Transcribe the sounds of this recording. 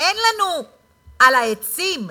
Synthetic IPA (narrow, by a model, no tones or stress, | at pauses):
enlanu | alaesim